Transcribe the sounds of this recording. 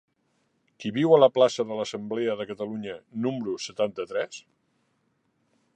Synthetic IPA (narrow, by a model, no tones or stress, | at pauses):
kiβiwələplasəðələsəmbleəðəkət̪əluɲənumɾusət̪ant̪ət̪ɾɛs